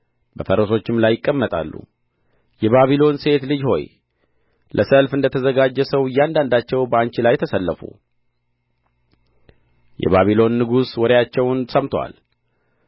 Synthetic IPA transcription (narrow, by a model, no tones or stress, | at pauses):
bəfəɾəso̞t͡ʃːɪmlajːɪkʼːəmːət̪ʼa̰lːṵ | jɛβaβilo̞nse̞t̪lɨd͡ʒho̞̰j | lʔəsəlfɨnd̪ət̪ʰəzəɡad͡ʒːɛsəwɨjːand̪and̪at͡ʃːɛwbəaɲt͡ʃilajt̪ʰəsəlːəfṵ | jɛ̰βaβilo̞nːɨɡuswɔɾjat͡ʃːɛwnsəmt̪ʰwa̰l